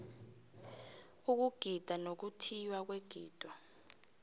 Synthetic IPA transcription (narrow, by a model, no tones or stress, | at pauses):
uk̬uɡ̥ʱid̥ʱanok̬utʰijwak̬weɡ̥ʱiːd̥ʱɔ